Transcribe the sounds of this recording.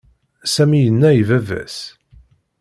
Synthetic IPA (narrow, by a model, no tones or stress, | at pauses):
sæmijənːæjivævæ̰s